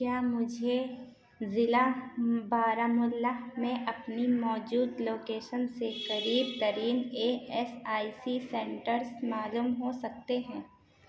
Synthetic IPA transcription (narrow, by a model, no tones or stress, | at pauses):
kjaːmʊd͡ʒʱe | zɪlabaːɾamʊlːamẽʔɐpnimɔːd͡ʒuːd̪loːkeːʃənsekɐɾiːbt̪ɐɾiːneɛsaːisisɛ̃ɳʈəɾsmaːluːmɦosɐk̚t̪eɦɛ̃ː